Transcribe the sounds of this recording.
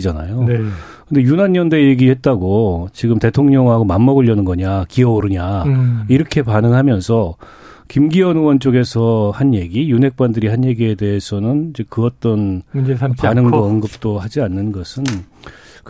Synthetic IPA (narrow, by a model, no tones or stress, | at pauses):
d͡ʑana̰jonkɯnde̞junanːʌnde̞jeɡihe̞t̚t͈aɡot͡ɕiɡɯmte̞tʰoŋɲʌŋɦaɡomamːʌɡɯʎːjʌnɯnɡʌɲakiʌoɾɯɲaiɾʌkʰe̞panɯŋɦamjʌnsʰʌ | kimɡiʌnɯwʌnt͡ɕ͈oɡe̞sʰʌhanje̞ɡijunɦe̞k̚k͈wandɯɾiɦanje̞ɡie̞de̞esʰʌnɯnid͡ʑe̞kɯʌt͈ʌn | panɯŋɡʌɯnɡɯp̚t͈ohad͡ʑianːɯnɡʌsʰɯn | k